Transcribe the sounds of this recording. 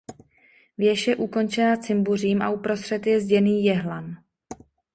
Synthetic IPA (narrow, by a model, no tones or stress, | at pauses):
vjɛʃjɛʔuko̞nt͡ʃɛnat͡sɪmbur̝iːmʔa̰upɾo̞st̪r̝̥ɛt̪jɛzɟɛniːjɛɦlan